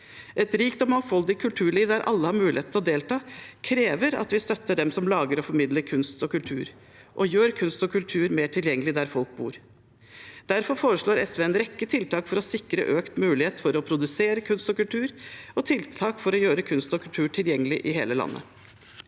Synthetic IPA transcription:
ʔɛt̪ɾiːkt̪ɔmɑŋfɔld̪ɪkʰːʉlt̪ʰʉːɭiːʋd̪æɾʔɑ̰lːəhɑɾmʉːlɪheːt̪ɔd̪eːlt̪ʰɑːkʰɾeːʋəɾɑ̰t̪ʋɪst̪œt̪ːəɖɛmsɔmlɑːɡəɾɔfɔɾmɪd̪ləɾkʰʉnst̪ɔkʉlt̪ʰʉ̰ːɾ | ʔɔjøːɾkʰʉnst̪ɔkʰʉlt̪ʰʉːɾmeːʈʰɪljɛŋːəlɪd̪æɾfɔlk̚bṵːɾ | d̪̥æɾfɔɾfoːɾəʂɭoːɾɛsʋeːɛnɾɛkːət̪ʰɪlt̪ʰɑːkfɔɾɔsɪkɾə̰ʔøːkt̪mʉːlɪheːt̪fɔɾɔpʰɾʊd̪ʉseːɾəkʰʉnst̪ɔkʉlt̪ʰʉːɾɔt̪ʰɪlt̪ʰɑːkfɔɾɔjøːɾəkʰʉnst̪ɔkʰʉlt̪ʰʉːʈʰɪljɛŋːəlɪʔɪɦeːləlɑ̰nːʔə̰

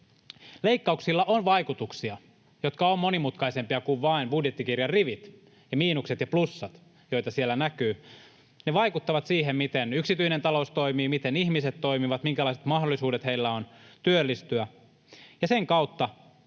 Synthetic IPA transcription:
le̞ikːɑuksilːɑʔonʋɑikut̪uksiɑ | jo̞t̪kɑomːo̞nimut̪kɑisempiɑkuʋʋɑinbudjet̪ːikirjɑrriʋit̪ | jɑmiːnukset̪jɑplusːɑt̪ | jo̞it̪ɑsielːænækyː | neʋɑikut̪ːɑʋɑt̪siːɦemmit̪enyksit̪yinent̪ɑloust̪o̞imiːmit̪enihmiset̪ːo̞imiʋɑt̪miŋkælɑiset̪mɑɦdolːˑisuːdet̪heilːæont̪yølːist̪yæ | jɑseŋkɑwt̪ːɑ

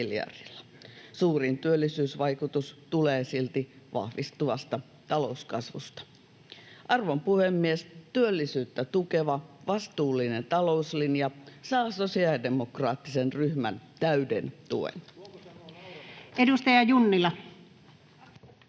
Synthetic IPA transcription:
ljɑ̰r̥ilːɑ̥ | suːrint̪yølːisyːsʋɑikut̪ust̪uleːsilt̪i | ʋɑ̰hʋist̪uʋɑst̪ɑ | t̪ɑlo̞uskɑsʋust̪ɑ̥ | ʔɑrʋompuhemːiest̪yølːisyːt̪ːæt̪ukeʋɑʋɑst̪uːlːinent̪ɑlouslinjɑsɑːsosiɑdemokrɑːt̪ːisenryhmæ̰nt̪æydḛnt̪ṵḛn | edust̪ɑjɑjunːilɑ

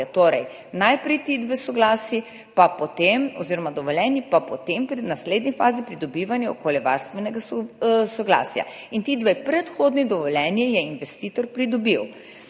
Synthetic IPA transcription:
at̪oːɾɛj | najpɾɛjt̪id̪ʋesɔɡlaːsi | papɔt̪emɔziɾɔmad̪ɔʋɔljɛnjipapɔt̪empɾinasleːd̪nifaːzipɾid̪ɔbiːʋanjɛo̰koːljɛʋa̰ɾst̪ʋɛnɛɡasɔɡla̰ːsja̰ | int̪id̪ʋepɾɛt̪xoːd̪nid̪ɔʋɔljɛnjijɛinʋɛst̪iːt̪ɔɾpɾid̪ɔbiw

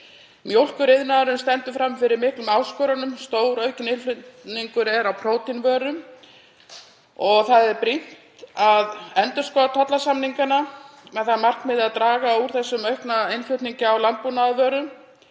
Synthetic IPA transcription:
mjowl̥kʏɾɪðnaðaɾʏmst̪ɛnt̪ʏfɾamfɪɾɪɾmɪhklʏmaːwskɔɾanʏmst̪oːwɾœːɥcʏnɪnflʏniŋkʏɾɛɾawpʰɾoːwt̪invœːɾʏm | ɔɣθaðɛɾpɾiht̪aðɛnt̪ʏɾ̥skɔðat̪ʰɔt̪lasamniŋkanamɛðθaðmar̥knmɪðaðt̪ɾaːɣauɾ̥θɛsːʏmœɥhpnaejnfljʏɥt̪niɲcɪawlant̪̚punaːðvœːɾʏm

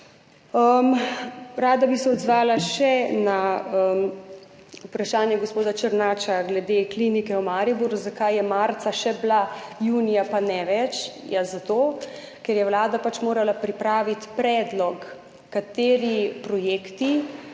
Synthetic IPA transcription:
əmɾaːd̪abisɛɔd̪zʋaːlaʃɛnaəm | upɾaʃaːnjɛɡospoːd̪at͡ʃəɾnaːt͡ʃaɡlɛd̪eklinikɛwmaːɾibuɾɡuzakajːɛmaːɾt̪saʃɛblajuːnijapanɛʋɛt͡ʃjazat̪oː | kɛɾjɛwlaːd̪apat͡ʃmoːɾalapɾipɾaːʋit̪pɾɛːd̪lɔkː | at̪eːɾipɾɔjeːkt̪i

